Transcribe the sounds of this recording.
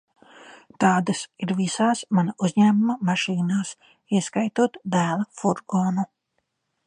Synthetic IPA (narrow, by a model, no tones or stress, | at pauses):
t̪ɑːd̪asiɾvisaːsmanauzɲæːmumamaʃiːnaːs | iɛskajt̪uɔt̪d̪æːlˠafuɾɡoːnu